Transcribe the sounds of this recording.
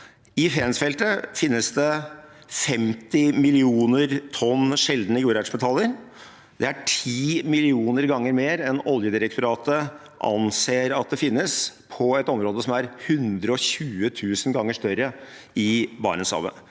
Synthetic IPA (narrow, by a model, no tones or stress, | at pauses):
ɪfɛːnsfɛlt̪əfɪnːəsd̪ɛfɛmt̪ɪmɪlɪuːnəɾt̪ʰɔnːʂɛld̪nəɪɡuːɾæʂmɛt̪ʰɑlːəɾ | d̪ɛæʈʰiːmɪlɪuːnəɾɡɑŋːəɾmeːɾɛnɔljəd̪ɪɾək̚t̪ʊɾɑːt̪ə | ʔɑ̰nseːɾɑt̪̚d̪ɛfɪnːəspʰɔɛt̪ɔmɾoːd̪əsɔmæɾhʉnd̪ɾəɔçʉːət̪ʰʉːsənɡɑŋːəʂt̪œɾəɪbɑ̰ːɳəshɑ̰ʋə̰